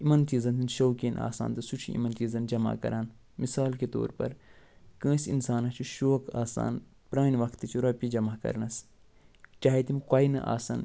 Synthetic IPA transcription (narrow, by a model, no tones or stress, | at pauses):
imɐnt͡ʃiːzɐnt̪ʰinʃoːkeːna̰ːsa̰ːnt̪ɨsut͡ʃʰḭḭmɐnt͡ʃiːzɐnd͡ʒɐma̰kɐ̰ɾaːn | misaːlket̪o̰ːɾpɐ̰ɾ | kə̃ːsʲinsaːnɐt͡ʃʰuʃoːkaːsa̰ːn | pɾaːniʋɐkt̪ɨt͡ʃʰuɾɐpid͡ʒɐmaːkɐ̰ɾnɐs | t͡ʃaːɦet̪imkwaːinɐ̰ʔa̰ːsɐ̰n